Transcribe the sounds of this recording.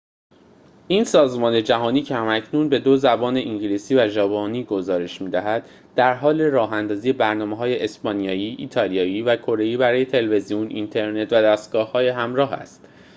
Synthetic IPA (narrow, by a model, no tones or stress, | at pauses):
ʔiːnsɒːzmɒːne̞d͡ʒæɦɒːniːcʰehæmæcʰnunbe̞d̪ozæbɒːne̞ʔiɲɟiliːsiːvæʒɒːbɒːniːɡo̞zɒːɾe̞ʃmiːd̪æɦæd̪ | d̪æɾɦɒːle̞ɾɒːɦænd̪ɒːziːje̞bæɾnɒːmeɦɒːje̞ʔesbɒnijɒːjiːʔiːt̪ʰɒːlijɒːjiːvækʰo̞ɾe̞jiːbæɾɒːje̞t̪ʰe̞lve̞zijunʔint̪ʰe̞ɾne̞t̪væd̪æst̪̚ɡ̥ɒːhhɒːjeɦæmɾɒːɦæ̰st̪